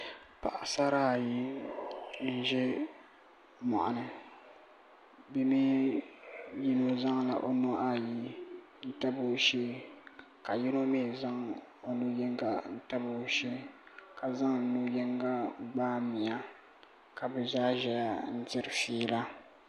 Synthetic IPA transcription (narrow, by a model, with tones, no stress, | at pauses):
pa̰˨ʔa˨sa˦ɾaː˦˨ji˦ | n̩˦ʒɛ˦ | mɔ̰˨ʔa̰˨nɨ˦ | bɛ˦mi˦ | ji˦no˦za˦ŋla̰˨ʔo˦no˦ʔa˦ji˦ | n̩˦ta˦bo˦ʃe˦ | ka˨ji˦no˦meː˦˨za˦ŋo˨nu˦jɛ˦ŋɡa˦˨n̩˦ta˦bo˨˦ʃe˦ka˨za˦ŋ˨nu˦jɛ˦ŋɡa˦ɡ͡baː˦mi˨ja˦ | ka˨bɨ˨zaː˦ʒɛ˨la˨n̩˦tɪ˦ɾɨ˨fiː˦la˦